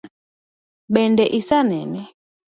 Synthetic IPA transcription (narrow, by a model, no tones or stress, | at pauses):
ɓɛndɛʔisanɛnɛ